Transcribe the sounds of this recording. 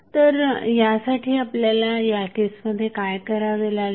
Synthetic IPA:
t̪əɾjasaʈʰiːapljalajaʈissməd̪ʱːjekajkəɾaʋela

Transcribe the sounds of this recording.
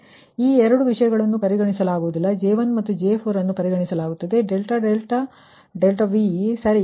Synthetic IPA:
iːɛɾɐɽuʋiʂɐjɐɡɐɭɐnːupɐɾiɡɐɳisɐlaːɡuʋud̪ilːɐd͡ʒeːʋɐnmɐt̪ːud͡ʒeːpʰoːɾɐnːupɐɾiɡɐɳisɐlaːɡut̪ːɐd̪e̞ɖelʈɐɖelʈɐ | ɖelʈɐʋisɐɾi

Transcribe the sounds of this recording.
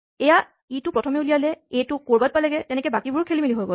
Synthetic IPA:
ɛja | itʊpɹɔtʰɔmɛulijalɛejtʊkoɹbat̚palɛɡɛtɛnɛkɛbakibʊɹukʰelimiliɦojɡo

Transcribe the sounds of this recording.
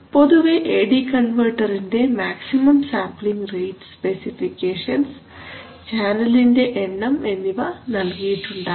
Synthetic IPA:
po̞ðuʋeʔeːɽikɐɳʋɐrʈːɐɾinde̞maːksimɐmsaːmpliŋɡrejʈspe̞sifikːeːʂɐns | t͡ɕaːnɐlinde̞ʔeɳːɐme̞nːiʋɐnɐlkijiʈːuɳɖaː

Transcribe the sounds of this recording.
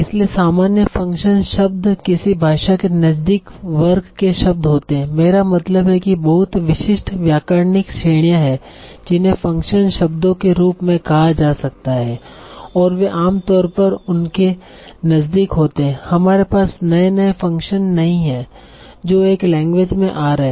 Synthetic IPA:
ɪsliesaːmaːnjəfɐ̃ŋkʃənʃɐb̚d̪kɪsibʱaːʃakenɐzd̪ɪkʋɐɾkːeʃɐb̚d̪ɦoːt̪eɦɛ̃meːɾamɐt̪ləbɦɛkibɐɦʊt̪ʋɪʃɪʃʈʋjaːkaːɾnɪkʃeːɽ̃ijãɦɛː | d͡ʒɪnɦẽfɐ̃ŋkʃənʃɐbd̪õkeɾuːpmẽkɐɦad͡ʒaːsɐk̚t̪aɦɛː | ɔːɾʋeʔaːmt̪ɔːɾpɐɾʊnke | nɐzd̪ikɦoːt̪eɦɛ̃hɐmaːɾepaːsnɐenɐefɐ̃ŋkʃənːɐɦĩɦɛː | d͡ʒoːeːklɛ̃ːŋɡʋeːd͡ʒmẽʔaːɾɐɦeː

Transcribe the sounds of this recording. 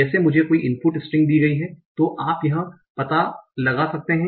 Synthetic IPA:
ɛːsemʊd͡ʒʱekoːiʔɪ̃npuʈɪsʈɪ̃ŋɡ̚d̪iːɡɐiɦɛ̃ːt̪oʔaːpjɐɦã | pɐt̪alɐɡasɐk̚t̪eɦɛ̃

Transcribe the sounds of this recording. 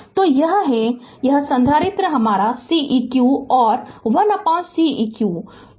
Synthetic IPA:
t̪oːjɐɦɦɛjɐɦsɐ̃nd̪ʱaːɾɪt̪ɾəɦɐmaːɾasiːʔiːkjuːɔːɾʋɐnɐpãːt͡ʃsiiːkjuː

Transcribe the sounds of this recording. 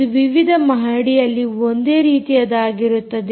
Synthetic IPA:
uʋiʋid̪ʱɐmɐɦaːɽijɐlːiond̪e̞ːɾiːt̪ijɐd̪aːɡiɾut̪ːɐd̪

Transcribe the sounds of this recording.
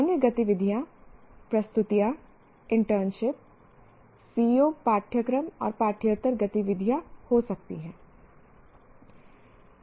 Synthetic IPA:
anjəɡɐt̪iʋɪd̪ʱjapɾɐst̪ʊt̪ija | ɪ̃ɳʈəɾnʃɪp̚ | siːoːpaːʈʰjəkɾəmɔ̰ːɾpaːʈʰjət̪əɾɡɐt̪iʋɪd̪ʱjahosɐk̚t̪iɦɛ̃ː

